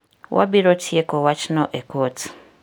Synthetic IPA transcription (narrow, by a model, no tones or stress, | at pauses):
wʔa̰biɾotʰiekowat͡ʃinoʔekoti̥